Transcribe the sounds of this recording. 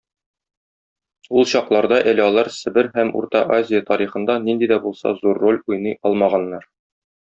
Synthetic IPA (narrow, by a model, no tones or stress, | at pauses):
ulˠɕɒqlˠɑɾd̪ɑʔæ̆lɘɒlˠɑɾsɘ̆bɘɾɦæmṵɾt̪ɑʔazʲɪjət̪ɒɾiχɤ̆nd̪ɑnind̪id̪æbulˠsɑ̰zurːolʲujnɤjɒlˠmɑʁɑnːɑɾ